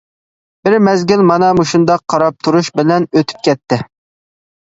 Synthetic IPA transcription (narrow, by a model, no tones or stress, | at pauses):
b̥ɪɾmɛzɡʲylmɑnɑmuʃund̪ɑqʰːɑɾɑp̚t̪ʰuɾuʃbɪlɛnøt̪ʰy̥p̚kʲʰɛt̪ʰːɪ